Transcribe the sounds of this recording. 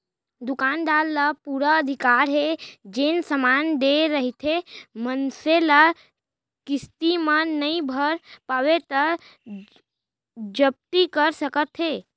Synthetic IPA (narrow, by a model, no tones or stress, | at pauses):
d̪ʊkaːnd̪aːlːəpuɾəəd̪ʱɪkaːɾɦed͡ʒensəmaːnd̪eɾəɦit̪ʰemənselə | kɪst̪imə̃nəĩbʱəɾpaːʋet̪əɾ | d͡ʒəb̚t̪ikəɾsəkət̪ɦeː